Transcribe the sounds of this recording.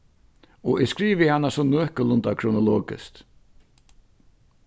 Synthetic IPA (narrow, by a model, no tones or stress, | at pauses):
ɔʔɛskɾiːʋəhanːasɔnøːhkəlʊnt̪akʰɾʊnʊlɔːɡɪ̰st̪